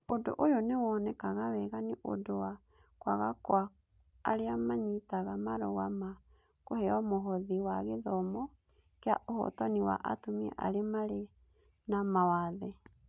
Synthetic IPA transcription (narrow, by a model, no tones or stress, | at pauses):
odo̰ʔojɔnewɔnɛkaɣawɛɣaniʔo̰dowa | kwa̰ɣakwaː | ɾeamaɲitaɣamaɾoɣama | kohɛɔmoɦɔðiwaɣeðɔmɔ | keaʔohɔ̰tɔniwa̰ʔa̰tomiɛ̰ʔaɾemaɾe | namawaðe